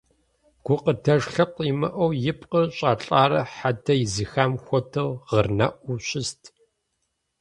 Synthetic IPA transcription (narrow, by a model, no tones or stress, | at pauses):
ɡ̥ʷʊqətʰɐʂɬɐqʷʼimɐʔɐwjɪpʼqəɕʼaːɬʼaːɾɐħatʰɐjɪzɨxaːmxʷɔtʰɐwʁərnɐ̰ʔʷuɕɪstʰ